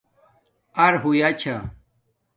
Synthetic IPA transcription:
ɐɾɦujat͡ɕʰa

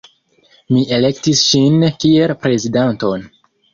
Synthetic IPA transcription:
miʔe̞le̞ktisʃinkie̞lpɾe̞zidanto̞n

